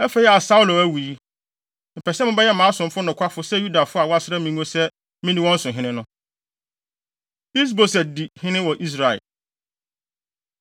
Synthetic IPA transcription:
ɛ˦fe˨˦i˦a˨sa˦ʊ˦lo˨æ˦wu˨i˦ | m̩˨pʰɛ˨sɛ˦mʊ̃˦bɛ˦jɛ˦˨mãː˨˦sʊ̃˨m̩˦fʊ˦nʊ̃˨kʰʷa˦fʊ˦sɛ˦ju˦da˨fʊ˦a˨wɔ˦a˦sɪ˦ɾɛ˦mĩ˦nũ˦õ˦sɛ˦ | mɪ̃˦nĩ˦wɔ̃˦n̩˦sʊ̃˨ɦɪ̃˦nɪ̃˦nʊ̃˦ | i˦s̬bo˨sɛ˨di˨hɪ̃˦nɪ̃˦wɔ˨ʔi˦s̬ɾa˨ɛ̰˨

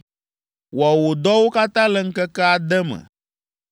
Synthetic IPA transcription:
wa˨wo˨d̪ɔ˦wo˦ka˦t̪ã˦lə˦ŋ̩˦kə˦kɛ˦a˨d̪ɛ˦mə̰̃˨

